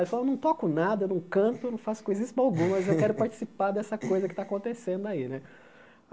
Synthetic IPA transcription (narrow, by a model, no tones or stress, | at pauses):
efalewnɐ̃w̃t̪ɔkʊnad̪ɐewnɐ̃w̃kɐ̃t̪ʊnɐ̃w̃fasʊkoezisawɡũɐmɐzewkɛɾʊpaɾt͡ʃi̥sipaɾd̪ɛsɐkojzɐkɪ̥t̪aːkõnt̪esẽnd̪ʊainɛ